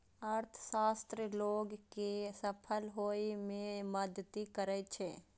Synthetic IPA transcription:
əɾt̪ʰsaːst̪ɾəloːɡkesəpʰəlɦoːimẽməd̪ʱt̪ikəɾət͡ʃʰeː

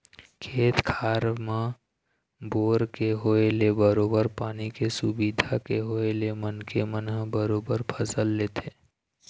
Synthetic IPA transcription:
kʰeːt̪kʰaːɾmã | boːɾkeɦoelebəɾoːbəɾpaːnikesʊbid̪ʱakeɦoelemənkemənɦbəɾoːbəɾpʰəsəlːeːt̪ʰeː

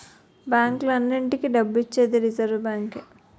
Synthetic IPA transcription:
baːŋklɐnːiɳʈikiɖɐbːuit͡ʃːeːd̪iɾizɐɾʋbaːŋke

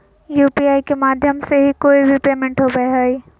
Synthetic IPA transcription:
juːpiːaːikemaːd̪ʱjəmseɦikoːibʱipɾeːmɪ̃ɳʈɦobɐeɦɐiː

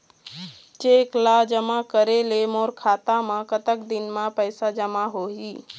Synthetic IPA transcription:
t͡ʃeːklad͡ʒəmakəɾelemoːɾkʰaːt̪amãkət̪əkd̪ɪnmãpəjsad͡ʒəmaɦoːɦiː

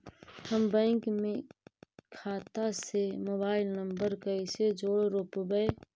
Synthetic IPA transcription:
həmbə̃ːŋkmẽ | kʰaːt̪asemoːbaːɪlnəmbəɾkəised͡ʒoːɽɾoːpbəe

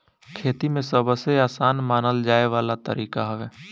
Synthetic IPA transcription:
kʰeːt̪imẽsəbəseaːsaːnmaːnəld͡ʒaːeʋaːlat̪əɾiːkaɦɛʋeː

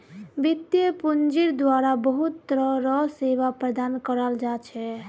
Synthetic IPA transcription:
bit̪jəpund͡ʒiɾd̪waɾabəɦut̪ːɾəɾɔseβapɾəd̪ankəɾəld͡ʒat͡ʃʰɛ

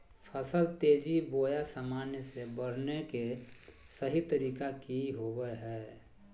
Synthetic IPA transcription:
pʰəsəlt̪eːd͡ʒiboːjasamaːnjəsebəɾ̤neke | səɦit̪əɾiːkakiɦobɛɦɛː

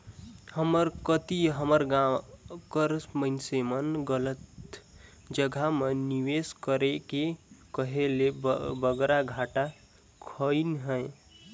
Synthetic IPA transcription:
həməɾkət̪iɦəməɾɡakəɾsməɪnsemənɡələt̪ | d͡ʒəɡʱameniweskəɾekekəɦelebəɡɾaɡʱaʈa | kʰəinɦə̃

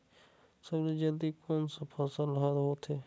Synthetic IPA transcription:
səbled͡ʒəld̪ikʰoːnsəpʰəsəlɦəɾɦot̪ʰeː

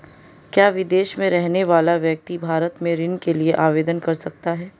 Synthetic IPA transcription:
kjaːʋɪd̪eːʃmẽɾɛɦneʋaːlaʋjɐk̚t̪ibʱaːɾət̪mẽɾɪnkelieʔaːʋeːd̪ənkɐɾsɐk̚t̪aɦɛː

